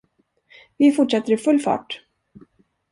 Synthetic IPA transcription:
vɪfʊʈʂɛt̪ːəɾɪfɵlːfɑ̰ːʈ

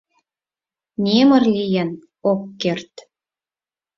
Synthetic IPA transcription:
nʲemə̆rlijen | okːert̪

